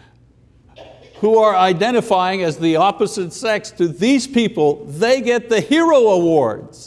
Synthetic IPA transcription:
huə˞aɪdɛ̃ɾ̃ɨfaɪɪ̃ŋɨzðiɑpɨzɨtsɛkstʰɨðiz̥pipəl̩ˠðeɪɡɛt̪̚ðɨhiɹoʊəwɔɹdz̥

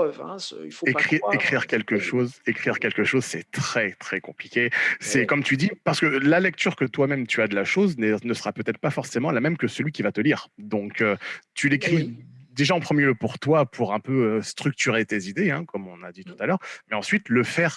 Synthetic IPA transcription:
vɛ̰̃ifekχiekχiʁkʲɛlkəʃozekχiʁkʲɛlkəʃozsɛt̪χɛt̪χɛkɔ̃plikʲesɛkɔmt̪yd̪ipaʁsə̥kəlalɛk̚t̪yʁkət̪wamɛmt̪yad̪əlaʃoznɛnəsəʁapøt̪ɛt̪χəpafɔʁsemɑ̃lamɛmkəsəlɥikʲivat̪əliːʁd̪ɔ̃køt̪ylekχid̪eʒaɑ̃pχəmjeləpuʁt̪wapʰuʁɛ̃pøøst̪χyk̚t̪yʁet̪ezid̪eɛ̃kɔmɔ̃nad̪it̪u̥t̪alœːʁmɛɑ̃sɥit̪ləfɛːʁ

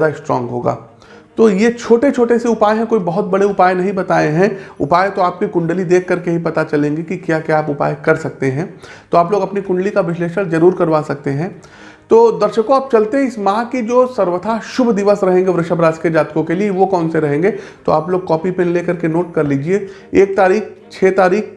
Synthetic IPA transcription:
jaːd̪aɪsʈɾɔ̰̃ːŋɡɦo̰ːɡa̰ː | t̪oːjet͡ʃʰoːʈet͡ʃʰoːʈeseʊpaːeɦɛ̃koːibɐɦʊt̪̚bɐɽeʊpaːjenɐɦĩbɐt̪aːẽɦɛ̃ʊpaːjet̪oaːp̚kikʊ̃ɳɖəlid̪eːkʰːɐɾkeɦipɐt̪at͡ʃɐlẽːŋɡekikjaːkjaaːpʊpa̰ːekɐɾsɐk̚t̪eɦɛ̃ː | t̪oaːploːɡɐpnikʊ̃ɳɖəlikaʋɪʃleːʃəɽd͡ʒɐɾuːɾkɐɾʋaːsɐk̚t̪eɦɛ̃ː | t̪oːd̪ɐɾʃəkõaːp̚t͡ʃɐlt̪eɦɛ̃ɪsmãkid͡ʒoːsɐɾʋət̪ʰaʃʊbʱd̪ɪʋəsɾɐɦẽːŋɡeʋɾɪʃəbɾaːd͡ʒked͡ʒaːt̪kõkelieʋokɔːnseɾɐɦẽːŋɡet̪o̰aːploːɡ̚kɔːpipẽnleːkɐɾkenoːʈkɐɾliːd͡ʒieeːk̚t̪aːɾiːkt͡ʃʰeːt̪aːɾiːk

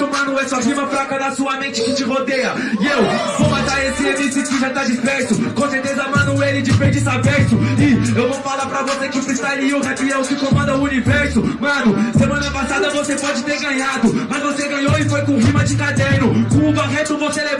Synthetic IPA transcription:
ʊmɐ̃nʊɛsuɐɦĩmɐfɾakɐd̪ɐsuɐmẽt͡ʃɪ̥kɪt͡ʃɪɦod̪ejɐ | ɪewvowmɐ̃t̪aɾesɪẽmisɪkɪʒat̪ad͡ʒispɛɾsʊkõseɾt̪ezɐmɐ̃nʊelɪd͡ʒɪpẽd͡ʒɪsavɛɾsʊɪewvowfalaɾpɾɐvosekɪpɾɪst̪aeliewɦaviɛʊkɪkõmɐ̃nd̪ɐʊunivɛɾsʊmɐ̃nʊsemɐ̃nɐpasad̪ɐvosepɔd͡ʒɪt̪eɾɡɐ̃ɲad̪ʊmɐzvoseɡɐ̃ɲowɪfojkõɦĩmɐd͡ʒɪkad̪ẽnʊkõʊɡ̪aɦẽt̪ʊvosele

